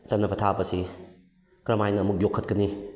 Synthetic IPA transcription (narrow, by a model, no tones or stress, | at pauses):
t͡ʃɐnːɐpʰɐtʰabɐsi | kɾɐmajnɐːmuk̚jokʰːɐt̚kɐni